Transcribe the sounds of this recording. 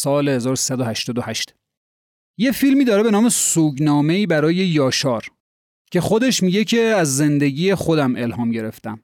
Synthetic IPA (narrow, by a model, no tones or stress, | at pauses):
sɒːlehe̞zɒːɾosi̥sæd̪ohæʃt̪ɒːd̪ohæʃt̪ | je̞filmiːd̪ɒːɾebe̞nɒːmesuːɟnɒːme̞iːbæɾɒːje̞jɒːʃɒːɾ | cʰe̞xo̞d̪e̞ʃmiɟe̞cʰe̞æzːe̞nd̪e̞ɟiːjexo̞d̪æmʔe̞lhɒːmɟe̞ɾe̞ft̪æm